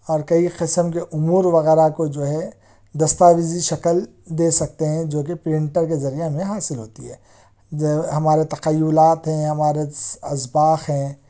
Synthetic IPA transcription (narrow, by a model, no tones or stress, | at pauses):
ɔːɾkɐiqɪsəmkeʔʊmuːɾʋɐɣɛːɾakod͡ʒoːɦɛ | d̪ɐst̪aːʋɪziʃɐkəl | d̪eːsɐk̚t̪eɦɛ̃d͡ʒoːkepɾɪ̃ɳʈəɾkezɐɾijemẽɦaːsɪlɦoːt̪iɦɛː | ɦɐmaːɾet̪ɐqɐjːʊlaːt̪ɦɛ̃ɦɐmaːɾeɐsbaːxɦɛ̃ː